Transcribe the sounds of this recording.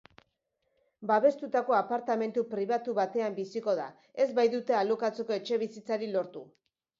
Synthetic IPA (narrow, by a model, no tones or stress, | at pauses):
baβe̞st̪ut̪ako̞apaɾt̪ame̞nt̪upɾiβat̪uβat̪e̞ambisiko̞ða̰ | e̞zbajðut̪e̞alokat͡se̞ko̞e̞t͡ʃe̞β̞isit͡saɾilo̞ɾt̪u